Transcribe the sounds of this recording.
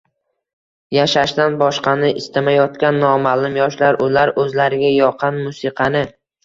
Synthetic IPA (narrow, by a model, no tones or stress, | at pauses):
jaʃaʃd̪anbɒʃqɑnɪʔɪst̪amajɒt̪kʲanːɒmalʊmjɒʃlaɾʔʊlaɾɵzlaɾɪɡʲajɒqʰɑnmʊsɨqʰɑnɪ